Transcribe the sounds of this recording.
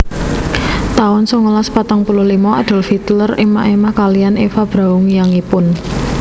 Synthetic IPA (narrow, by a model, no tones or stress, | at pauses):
t̪aʊnsɔŋəlaspat̪aŋpuluhlimɔad̪̥ɔ̤lfit̪ləremaʔemahkalijanefab̥ɾa̤uŋjaŋipʊn